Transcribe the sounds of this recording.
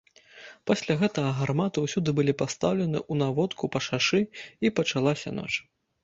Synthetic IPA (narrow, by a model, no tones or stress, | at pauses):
pasʲlʲaɣɛt̪ɐɣɐɣarmat̪uwsʲud̪ɨbɨlʲipast̪awlʲɛnɨ̰ʔunavɔt̪kupɐʂaʂɨipɐt͡ʂalˠasʲɐ̰nɔ̰t͡ʂ